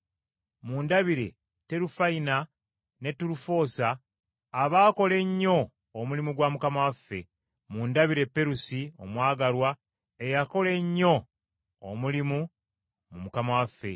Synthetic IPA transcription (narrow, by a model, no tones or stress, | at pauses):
muːndaβiɾe̞̰ | te̞ɾufaina | ne̞tːuɾufo̞ːsaː | βaːko̞le̞ɲːo̞ː | mulimuɡwaːmukamawafːe̞̰ | muːndaβiɾe̞pːe̞ɾusio̞̰mwaːɡaɾwa | ejako̞le̞ɲːo̞̰ː | mulimu | mumukamawafːe̞̰